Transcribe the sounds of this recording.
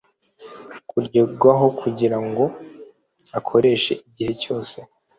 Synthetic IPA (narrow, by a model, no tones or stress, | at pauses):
kuɾɟeɡwaɦo̞kʰuɟiɾaŋɡo̞ | akʰo̞ɾe̞ːʃe̞̰ʔiɟihe̞co̞ːse̞